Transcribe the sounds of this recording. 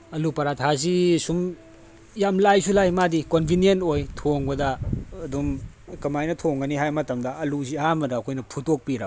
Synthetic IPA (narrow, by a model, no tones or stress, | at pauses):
ɐlupɐɾatʰas̬isum | jamlajsulajmadikonbʱinientojtʰoŋbɐdɐːdum | kɐmajnɐtʰoŋɡɐniɦajmɐtɐmdɐɐluzihamɐdɐːkʰojnɐpʰutok̚piɾɐ